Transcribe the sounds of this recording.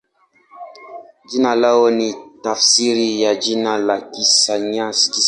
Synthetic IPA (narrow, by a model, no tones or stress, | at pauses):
d͡ʒinalawonitafsiɾijad͡ʒinalakisaɲãski